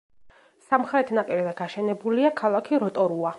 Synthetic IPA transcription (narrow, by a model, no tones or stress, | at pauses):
samχɾɛt̪ʰnapʼiɾɛzɛɡaʃɛnɛbuliakʰalˠakʰiɾɔt̪ʼɔɾua